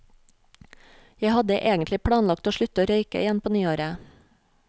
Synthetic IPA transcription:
jæɪhɑd̪əʔeːɡən̩t̪lɪpʰɽɑːnlɑk̚t̪oːʃɭʉt̪əoːɾœʏkə̰ɪjɛnpʰoːnyːoːɾə

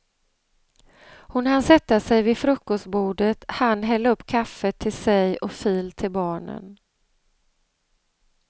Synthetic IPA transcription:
hʊnhansɛt̪ːasɛjvɪfɾɵkːɔst̪̚buːɖət̪hanːɦɛlːaɵpːkʰafːət̪ʰːɪlsɛjɔfiːlt̪ʰɪlbɑːɳə̰n

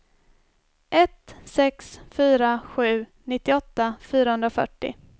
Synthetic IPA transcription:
ʔɛt̪sɛksfyːɾaɧʉ̟ːnɪt̪ːɪɔt̪ːafyːɾahɵnd̪ɾafœ̰ʈːɪ̰

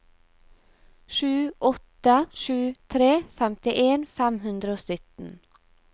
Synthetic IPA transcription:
ʃʉːʔɔt̪əʃʉːt̪ʰɾeːfɛmt̪ɪʔeːnfæmhʉnd̪ɾəoːsʏt̪n̩

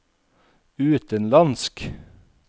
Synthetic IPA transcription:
ʉːt̪ənlɑnsk

